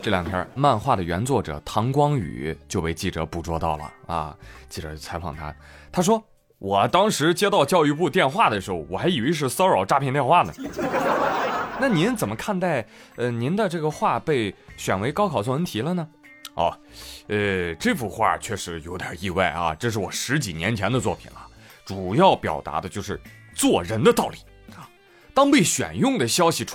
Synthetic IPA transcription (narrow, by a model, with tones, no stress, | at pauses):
ʈ͡ʂɤ˥˩ljɑ˨˩ŋt̪ʰjɑ̰˥ma˥˧nxwa˥˩d̪ə˩ɥɛ˧˥nt͡swɔ˥˩ʈ͡ʂɤ̰˨˩t̪ʰɑ˧˥ŋkwɑ˥ŋy̰˨˩˦t͡ɕjo˥˧ʊpe˥˧ɪt͡ɕi˥˩ʈ͡ʂɤ̰˧˥pu˥˩ʈ͡ʂwɔ˥t̪ɑ˥˩ʊlə̰˩ɐ̰˧t͡ɕi˥˩ʈ͡ʂɤ̰˧˥˧t͡sʰa˧˥ɪfɑ̰˨˩ŋt̪ʰa̰˥t̪ʰa˥ʂ̬wɔ˥ | wʔɔ˨˩t̪ɑ˥ŋʂɻ̩˧˥t͡ɕjɛ˥t̪ɑ˥˧ʊt͡ɕjɑ˥˧ʊy˥˧pu˥˧t̪jɛ˥˧nxwa˥˩d̪ə˩ʂɻ̩˧˥xo˧˩ʊwɔ˨˩xa˧˥ɪi˨˩we˧˥ʂ̬ɻ̩˥˧sɑ˥ʊɻɑ˨˩ʊʈ͡ʂa˥pʰɛ˥˧nt̪jɛ˥˧nxwa˥˩nə˩ | na˥˩ni˧˥nt͡sə˨˩mə˦kʰa˥˧nt̪a˥˩ɪ | ə˧ni˧˥nd̪ə˧ʈ͡ʂɤ˥˩ɡə˩xwa˥˧pe˥˩ɪɕɥɛ˨˩nwe˧˥ɪkɑ˥ʊkʰɑ˨˩ʊt͡sʰɔ˥˩wə˧˥nt̪ʰi˨˥lə˧nə˨ | ɐ̰˧˩ə˧ʈ͡ʂɤ˥˧˩fu˥˩xwa̰˥˩t͡ɕʰɥɛ˥˩ʂɻ̩˧˥jo˧˥ʊd̪jə̰˨˩i˥˧wa̰˥˩ɪɐ̰˧ʈ͡ʂɤ˥˧ʂ̬ɻ̩˥˩wɔ̰˨˩ʂɻ̩˧˥t͡ɕi˨˩njɛ˧˥nt͡ɕʰjɛ˧˥nd̪ə˧t͡swɔ̰˥˩pʰḭ˨˩nɐə̰˦ | ʈ͡ʂu˨˩jɑ˥˩ʊpjɑ̰˨˩ʊt̪a̰˧˥d̪ə˧t͡ɕjo˥˧ʊʂ̬ɻ̩˥˧t͡swɔ˥˩ɻə˧˥nd̪ə˧t̪ɑ˥˩ʊli˨˩˦ | t̪ɑ˥ŋpe˥˩ɪɕɥɛ̰˨˩njʊ˥˩ŋd̪ə˩ɕjɑ˥ʊɕi˨˩ʈ͡ʂ